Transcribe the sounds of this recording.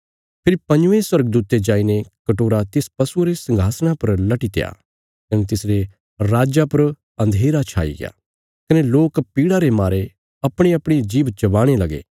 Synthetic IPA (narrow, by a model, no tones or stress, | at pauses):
pʰɪɾipɐ̃ɲd͡ʒʊʋẽswɐɾɡəd̪uːt̪ed͡ʒaːinekɐʈoːɾat̪ɪspɐsuɾesɐ̃ŋɡʱaːsɽ̃apɐɾlɐʈit̪eja̰ | kɐnet̪ɪsɾe | ɾaːd͡ʒapɐɾ | ɐ̃nd̪ʱeːɾat͡ʃʰa̰ːḭɡɪ̰ja̰ː | kɐneloːkpiːɽaɾemaːɾe | ɐpɽ̃eɐpɽ̃id͡ʒiːʋt͡ʃɐʋaːɽ̃elɐɡḛː